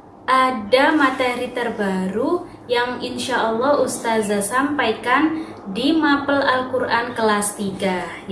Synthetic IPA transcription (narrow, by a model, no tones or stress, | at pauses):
ʔadamat̪ɛɾit̪ərbaɾu | jaŋinʃaʔəlːɔhust̪azasampajkan | dimapəlalkurʔankəlast̪iɡa